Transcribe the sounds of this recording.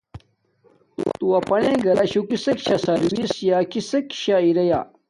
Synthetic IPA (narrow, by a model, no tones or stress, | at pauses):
t̪uwɐpɐnẽɡɐlɐɕukisɐkɕasɐɾwisjaːkisɐkɕaiɾɐja̰